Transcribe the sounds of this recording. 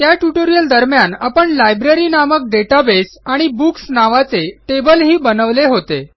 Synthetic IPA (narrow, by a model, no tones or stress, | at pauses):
t̪jaʈjuʈoɾijəld̪əɾmjanapəɳlajbɾeɾinamək̚ɖeʈabesaɽ̃ibuksnaʋat͡seʈebəlɦiːbənəʋleɦot̪e